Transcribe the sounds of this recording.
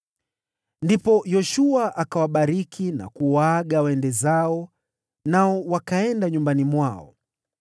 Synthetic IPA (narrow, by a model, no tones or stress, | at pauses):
ndipɔjɔʃuaʔakawaɓaɾikʰina̰kuwaɠawɛndɛzaɔ | naɔwakaɛndaɲumbanimwaɔ̰